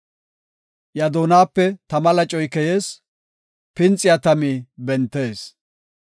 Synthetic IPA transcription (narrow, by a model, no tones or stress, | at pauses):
jɐd̪oːnaːpːɛt̪ɐmɐlɐt͡ʃʼɔjkɛje̞ːs | pɪnt͡sʼːɪjat̪ɐmiːbɛnt̪ːe̞ːs